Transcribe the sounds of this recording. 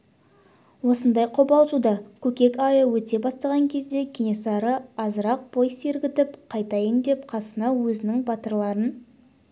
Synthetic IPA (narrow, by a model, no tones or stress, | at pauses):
wo̞sənd̪ɑjqʰobɑlˠʒud̪ɑkʲʰɵkʲe̞kʲɑjəwɵt̪e̞bɑst̪ɑʁɑŋkʲʰe̞zd̪e̞kʲʰenesɑɾəɑzəɾɑq̚b̥o̞jseɾɡʲɪt̪ɪpqʰɑjt̪ɑjənd̪e̞p̚qʰɑsənɑwɵzɪnɪŋbɑt̪əɾlˠɑɾən